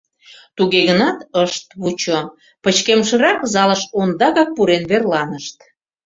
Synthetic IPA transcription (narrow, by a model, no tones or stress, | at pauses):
t̪uɣeɣənɑt̪əʃt̪βut͡ɕo | pət͡ɕkemʃə̆ɾɑkzɑləʃond̪ɑɣɑk̚puɾenβerlɑnəʃt̪